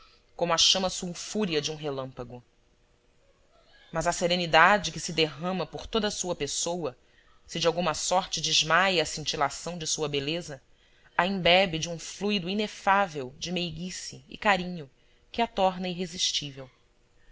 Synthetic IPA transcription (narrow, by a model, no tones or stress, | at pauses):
kõmʊaʃɐ̃mɐsuwfuɾiɐd͡ʒɪũɦelɐ̃mpɐɡʊ | mɐzɐseɾẽnid̪ad͡ʒɪkɪsɪd̪eɦɐ̃mɐpoɾt̪od̪ɐːsuɐpesowɐ | sɪd͡ʒɪawɡũmɐsɔɾt͡ʃɪd͡ʒɪʒmajɐsĩnt͡ʃilasɐ̃w̃d͡ʒɪsuɐbelezɐ | aĩbɛbɪd͡ʒɪũflujd̪ʊinefavewd͡ʒɪmejɡisiɪ̰kaɾĩɲʊ | kɪat̪ɔɾnɐiɦeziʃt͡ʃivew